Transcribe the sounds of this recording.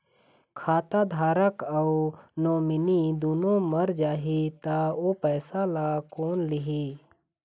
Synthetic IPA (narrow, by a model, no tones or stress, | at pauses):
kʰaːt̪aːd̪ʱaːɾəkɐunoːmɪnid̪uːnõməɾd͡ʒaːɦit̪aoːpəːsalaːkoːnlɪɦiː